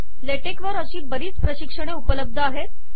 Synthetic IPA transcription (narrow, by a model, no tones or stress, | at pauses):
leʈekʋəɾəɕiːbəɾiːt͡spɾəɕikʂəɽ̃eupələb̚d̪ʱəaɦet̪